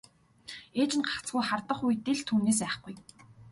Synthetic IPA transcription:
eːt͡ɕɪ̆nɢḁt͡sɢujχart̪ə̆χujt̪eɮt̪ʰuːneːs̬æːχɡuj

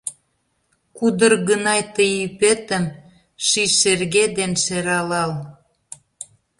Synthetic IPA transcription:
kud̪ərɣənɑjt̪əjypet̪ə̆m | ʃiʃerɣed̪enʃeɾɑlɑl

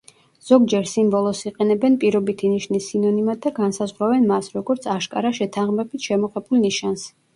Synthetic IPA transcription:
z̥ɔɡd͡ʒɛɾsimbɔlˠɔsiqʼɛnɛbɛnpʼiɾɔbit̪ʰiniʃnisinɔnimad̪aɡansazʁwɾavɛnmasɾɔɡɔɾt̪sʰaʃkʼa̰ɾaʃɛt̪ʰaʁmɛbit̪ʰʃɛmɔqɛbulˠniʃans

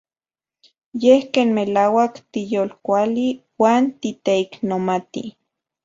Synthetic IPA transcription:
jehkeːnmelaːwakt̪ijolkʷaliwaːnt̪it̪eiknomat̪ḭ

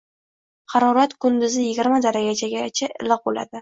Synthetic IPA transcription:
qʰɑɾɒɾat̪kʰʊnd̪ɪzɪjɪɡʲɪɾmad̪aɾaɡʲad͡ʒaɡʲat͡ʃʰaʔɪ̰lɪq̚bola̰d̪ɪ

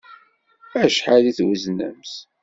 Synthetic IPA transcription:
æʃħaliθwəznə̰ms

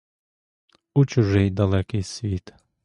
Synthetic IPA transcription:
ut͡ʃʊʒɪjd̪ɐlˠɛkɪjsʲʋʲit̪

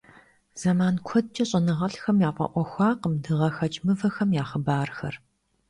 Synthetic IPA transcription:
z̥ɐmaːnkʷʰɔd̚t͡ʃʼɐɕʼɐnɨʁɐɬxɐmjaːpʷʼɐ̰ʔʷɔxʷɑːqəmdɨʁɐxɐt͡ʃʼmɨvɐxɐmjaːχəbaːrxɐ̰r

